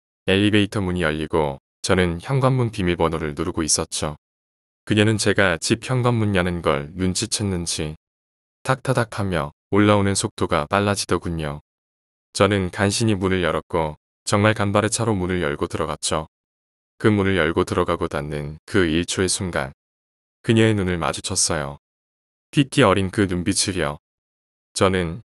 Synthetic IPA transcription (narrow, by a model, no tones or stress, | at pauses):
eʎːibeitʰʌmuɲijʌʎːiɡo | t͡ɕʌnɯnçjʌŋɡwamːunpimibʌnoɾɯɭnoɾuɡois͈ʌt̚t͡ɕ͈o | kɯɲenɯnt͡ɕe̞ɡat͡ɕip̚çjʌŋɡwamːuɲjanɯnɡʌ̰ɭnunt͡ɕʰit͡ɕʰʌnːɯnd͡ʑi | tʰak̚tʰadakʰamjʌ | oɭːaonɯnsʰok̚t͈oɡap͈aɭːad͡ʑidʌkuɲo | t͡ɕʌnɯnkanɕʰiɲimunɯɭjʌɾʌk̚k͈o | t͡ɕʌŋmaɭkambaɾet͡ɕʰaɾomunɯɭjʌ̰ɭɡotɯɾʌɡat͡ɕ͈ʰo | kɯmunɯɭjʌɭɡotɯɾʌɡaɡotanːɯnkɯiɭt͡ɕʰoe̞sʰuŋɡa̰n | kɯɲeenunɯɭma̰d͡ʑut͡ɕʰʌs͈ʌjo | pʰikʰiʌɾinkɯnumbit͡ɕʰiɾijʌ | t͡ɕʌnɯn